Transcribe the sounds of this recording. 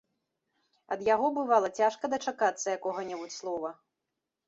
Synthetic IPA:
ɐd̪jaɣɔbɨvalˠɐt͡sʲaʂkɐd̪ɐt͡ʂakat̪sːɐjakɔɣɐnʲɛbut͡sʲslˠɔvɐ

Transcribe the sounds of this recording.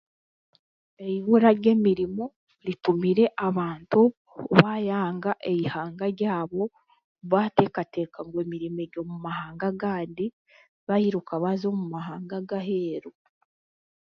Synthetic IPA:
e̞iβuɾaɟe̞ːmiɾimo̞ | ɾitumiɾe̞ʔaβaːntu | βajaːŋɡaʔejihaːŋɡaɾɟaːβo̞ | βate̞kate̞ːkaŋɡwe̞ːmiɾimeɟo̞ːmumahaːŋɡaɡaːndi | βahiɾukaβazo̞mumaɦaːŋɡaɡaɦeːɾu

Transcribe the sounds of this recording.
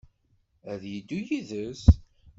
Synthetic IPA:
æðjid̪ːujiðəs

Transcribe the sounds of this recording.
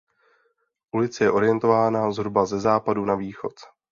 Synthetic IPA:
ʔulɪt͡sɛjɛʔo̞ɾɪjɛnt̪o̞vaːnazɦɾubazɛzaːpadunaviːxo̞t̪

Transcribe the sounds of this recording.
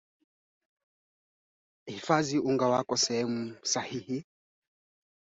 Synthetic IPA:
hifaziuŋɡawakɔsɛhɛmusahihi

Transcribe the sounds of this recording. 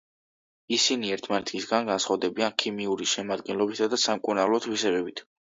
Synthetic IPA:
isiniɛɾt̪ʰmanɛt̪ʰisɡanɡansχavd̪ɛbiankʰimiuɾiʃɛmad̪ɡɛnlˠɔbisad̪asamkʼunalˠɔt̪ʰvisɛbɛbit̪ʰ

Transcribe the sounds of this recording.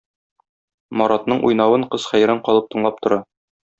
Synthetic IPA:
mɒɾɑt̪nɤɴʔṵjnɑwɤɴqɤzχæjɾæɴqɒlˠɤp̚t̪ɤ̆ɴlˠɑp̚t̪ŏɾɑ

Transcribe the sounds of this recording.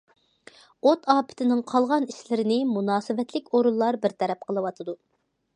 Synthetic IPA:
ot̪ɑːpʰɪ̥t̪ʰɪnɪŋqʰɑlˠʁɑniʃlɪɾɪnɪmunɑːsɨvɛt̪lɪkʲoɾulˠːɑɾbɪɾt̪ʰɛɾɛp̚qʰəlˠɨwɑt̪ʰɨd̪u

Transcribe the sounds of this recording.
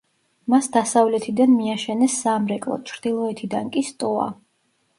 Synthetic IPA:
masd̪asavlɛt̪ʰid̪anmiaʃɛnɛsːamɾɛkʼlˠɔ̰t͡ʃʰɾd̪̥ilˠɔɛt̪ʰid̪ankʼist̪ʼɔa̰

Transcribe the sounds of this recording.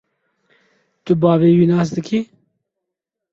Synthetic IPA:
t̪ʊbɑːveːwinɑːs̬d̪ɨkʰiː

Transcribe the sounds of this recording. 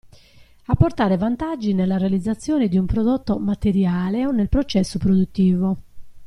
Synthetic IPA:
apːort̪aːɾevant̪ad͡ʒːinelːarealid̪zːat̪sːjɔːned̪iumpɾɔd̪ot̪ːomat̪eɾjaːleonːelpɾot͡ʃɛsːopɾod̪ut̪ːiːvo

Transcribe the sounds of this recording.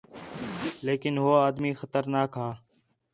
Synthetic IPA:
leːkɪnɦoaːd̪miːxət̪əɾnaːkɦaː

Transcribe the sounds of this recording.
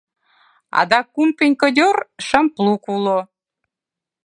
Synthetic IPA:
ɑ̰d̪ɑkːumpenʲkə̆dʲorʃə̆mplukulo

